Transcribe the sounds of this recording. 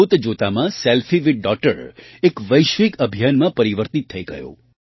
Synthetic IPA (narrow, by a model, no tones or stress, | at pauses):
ut̪d͡ʒot̪amãsɛlfʰiʋiʈ̚ɖɔk̚ʈəɾ | ekʋəjʃʋikəbʱijanmãpəɾiʋəɾt̪it̪ʰːəiɡə̰jõ̰